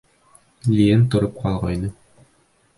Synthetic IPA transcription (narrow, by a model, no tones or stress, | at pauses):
lʲient̪ŏɾɤp̚qɑlˠʁɑjnɤ